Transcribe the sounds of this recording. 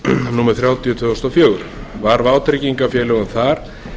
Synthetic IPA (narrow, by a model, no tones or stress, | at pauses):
nuːmɛɾ̥θɾjaːwt̪ijʏt̪ʰvʏðɔst̪awfjœːɣʏɾʏvaɾvaːwt̪ɾɪciŋkafjɛːlɛɣʏmθaɾ̥